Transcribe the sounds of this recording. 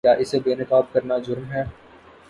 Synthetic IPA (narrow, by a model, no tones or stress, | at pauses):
aːʔɪsebeːnɪkaːb̚kɐɾnad͡ʒʊɾmɦɛː